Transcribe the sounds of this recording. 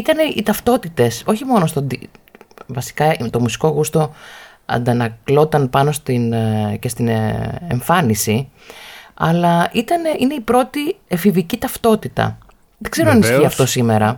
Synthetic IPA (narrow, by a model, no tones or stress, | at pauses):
it̪ɐneḭt̪ɐft̪o̞t̪it̪e̞so̞çimo̞nost̪od̪i | vɐsi̥kɐt̪o̞musi̥ko̞ɣust̪o̞ | ɐ̰nd̪ɐnɐklo̞t̪ɐnpɐno̞st̪ince̞st̪ineeɱfɐnisi | ɐ̰lɐʔit̪ɐneʔine̞ipɾo̞t̪iefivicit̪ɐft̪o̞t̪it̪ɐ̰ | ðeɡ̥ze̞ɾonɐnisçiɐft̪o̞sime̞ɾɐ